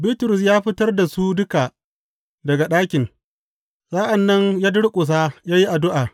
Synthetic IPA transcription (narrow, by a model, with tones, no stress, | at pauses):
bi˦tʊ˨ɾʊ˨s̬jaː˦ɸɪ˦tɐ˦rda˨su˦dʊ˦ka˨ | dɐ˨ɡa˨ɗaː˦kʲɪ˨n | zaː˦ʔa˨nːɐ˦ŋjaː˦dʊ˦ɽkʷʼʊ˨s̬aː˦jaː˦ji˦ʔa˨dʊ˦ʔaː˨